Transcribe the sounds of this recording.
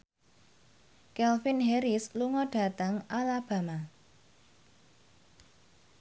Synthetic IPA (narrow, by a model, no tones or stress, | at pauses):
kɛlfinɦɛɾɪsluŋɔɖ̥ä̤t̪aŋalab̥a̤ma